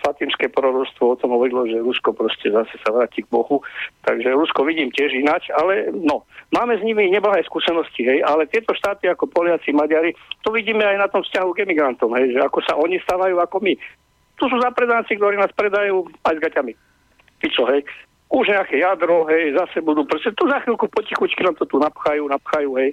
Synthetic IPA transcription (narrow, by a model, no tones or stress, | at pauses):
flat̪inskɛːpɔɾɔɾɔst̪ʋɔɔt̪ɔmɦɔʋɔɾilɔʒɛɾuskɔpɾɔscɛzasɛ̥saʋɾaːciːɡ̚bɔhut̪aɡʒɛɾuskɔʋiɟiːmcɪɛʒinat͡ʃalɛnɔmaːmɛzɲimiɲɛblaɦɛskuːsɛnɔsciɦɛjalɛt̪ɪɛt̪ɔʃt̪aːt̪iakɔpɔlɪat͡simaɟaɾit̪ɔʋiɟiːmɛajnat̪ɔmfscaɦuɡɛmiɡɾant̪ɔmɦɛjʒɛakɔsaʔɔɲist̪aːʋajuːakɔmi | t̪us̬uːzapɾɛd̪ant͡sikt̪ɔɾiːnaːspɾɛd̪ajuːajzɡacami | pit͡sɔɦɛj | uʒɲɛakɛjad̪ɾɔɦɛjzasɛbud̪uːpɾɔscɛt̪uzaxilkupɔcixut͡ʃkinaːmt̪ɔt̪unapxajuːnapxajuːɦɛj